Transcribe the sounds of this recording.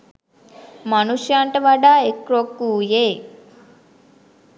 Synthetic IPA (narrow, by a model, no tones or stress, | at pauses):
manuʃjaɳʈəʋaɖaːekɾokːuːjeː